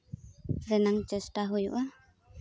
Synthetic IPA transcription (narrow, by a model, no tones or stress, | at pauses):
ɾɛnaŋt͡ʃəsʈaɦujṵʔa